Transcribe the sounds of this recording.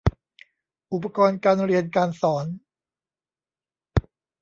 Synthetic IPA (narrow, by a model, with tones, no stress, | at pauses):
ʔu˨˩pːa˧kɔː˧nkaː˧nɾi˧ənkaː˧nsɔː˩˦n